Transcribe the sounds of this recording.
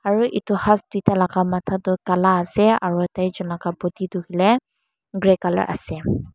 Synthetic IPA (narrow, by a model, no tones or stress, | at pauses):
aɹuʔitihasdujtalakamatʰatʊkalaːsɛa̰ɹuɛtajzɔnlakabotitʊhilɛ | ɡɹɛkalɔ̰ɹʔa̰sɛ